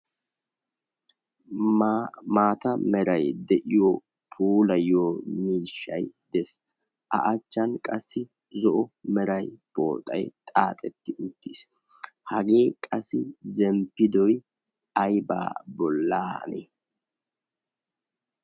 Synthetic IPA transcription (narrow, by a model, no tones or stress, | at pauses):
maːt̪ɐmɛɾɐjd̪ɛʔɪjo | pʰuːlɐjoːmiːʃːɐjd̪̥ɛs | ʔɐ̰ʔɐt͡ʃːɐnkʼɐsːɪ | zɔʔɔmɛɾɐjb̥o̰ːt̪ʼɐ̰jt̪ʼaːt̪ʼɛt̪ːɪʔʊd̪̥ːis | hɐɡeːkʼɐsːɪzɛmpːɪd̪ɔj | ɐjba̰ːbɔlːaːnḛː